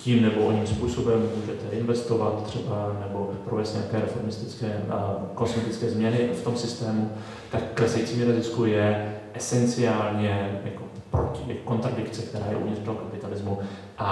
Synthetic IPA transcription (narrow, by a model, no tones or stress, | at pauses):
ciːmnɛboʔoɲiːmspuːso̞bɛmːuːʒɛt̪ɛʔɪnvɛst̪o̞vat̪t̪ːr̝̥ɛbanɛbo̞pɾovɛːst̪ɲeakɛːɾɛfo̞ɾmɪst̪ɪt͡skɛːkonsmɛt̪ɪt͡skɛːzmɲɛnɪft̪o̞msɪst̪ɛːmu | t̪akːlɛsɛjit͡siːmiɾozɪskujɛʔɛsɛnt͡sɪaːlɲɛja̰ko | pɾo̰cɪakko̞nt̪ɾadɪkt͡sɛk̚t̪ɛɾaːjɛ̰ʔṵvɲɪrdlokapɪt̪alɪzmu | ʔa